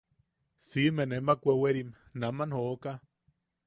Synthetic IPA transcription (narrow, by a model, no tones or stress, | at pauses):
simenemakʷeweɾim | namanhoʔka